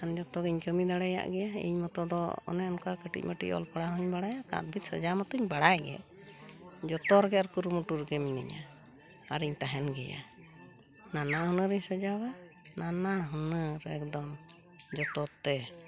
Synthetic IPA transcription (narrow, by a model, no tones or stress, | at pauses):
kand͡ʒɔt̪ɔɡɛɲkəmid̪aɽɛja̰ʔɡɛaḭɲmɔt̪ɔd̪ɔ̰ɔ̰nɛɔnkakəʈḭc̚məʈḭʔɔ̰lpaɽaɦɔɲbaɽajaʔkã̰t̪̚bʱit̪̚səd͡ʒamɔt̪uɲbaɽajɡɛ̰ | d͡ʒɔt̪ɔɾɔɡɛaɾkuɾumuʈuɾɡɛminḭɲa̰ | aɾiɲt̪aɦɛnɡɛja̰ | nanaɦɔnəɾiɲsəd͡ʒawananaɦɔnəɾɛkd̪ɔm | d͡ʒɔt̪ɔt̪ːɛ